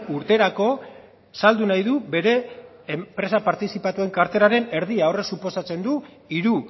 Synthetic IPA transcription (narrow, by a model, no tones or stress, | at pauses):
uɾt̪e̞ɾako̞ | sald̪unajðube̞ɾe̞ː | mpɾe̞sapaɾt̪isipat̪ue̞ŋkaɾt̪e̞ɾaɾe̞ne̞ɾðiaore̞ksupo̞sat͡se̞nd̪u | iɾu